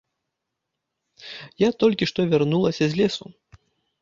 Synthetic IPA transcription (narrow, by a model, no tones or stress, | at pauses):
jat̪ɔlʲkʲiʂt̪ɔvʲarnulˠɐsʲɐzʲlʲɛsu